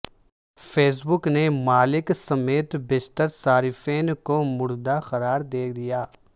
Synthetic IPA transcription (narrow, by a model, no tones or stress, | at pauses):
feːs̬bʊknemaːlɪksɐmeːt̪bɪst̪əɾsaːɾɪfeːnkomʊɽd̪axɐɾaːɾd̪eːd̪ijaː